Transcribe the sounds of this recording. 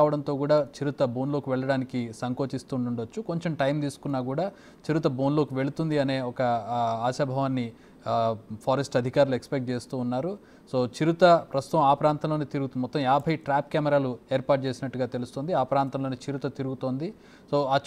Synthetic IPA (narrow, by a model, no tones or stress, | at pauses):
ʋɐɽɐnt̪o̞ːkuːɽaːt͡ʃiɾut̪ɐbo̞ːnlo̞ːkiʋɛɭːɐɽaːnikisɐŋko̞ːt͡ʃist̪uːɳuɳɖot͡ʃːuko̞ɲt͡ʃe̞mʈɐjmt̪iːsu̥kunːaːɡuːɽaː | t͡ʃiɾut̪ɐbo̞ːnlo̞ːkiʋe̞ɭut̪und̪iɐne̞ːɔkɐaːʃɐbʱɐʋaːnːi | pʰaːɾesʈɐd̪ʱikaːɾuluekspek̚ʈ̚t͡ʃe̞ːst̪uːnːaːɾu | so̞ːt͡ʃiɾut̪ɐpɾɐst̪u̥t̪ɐmaːpɾaːnt̪ɐmloːniːt̪iɾuɡut̪ud̪imɔt̪ːɐmjaːbʱɐjʈɾaːp̚kaːmɛɾaːlueːɾpaːʈ̚t͡ʃe̞ːsinɐʈːuɡaːt̪e̞lust̪oːnd̪iaːpɾaːnt̪ɐmlo̞ːniːt͡ʃiɾut̪ɐt̪iɾuɡut̪o̞ːnd̪i | so̞ːaː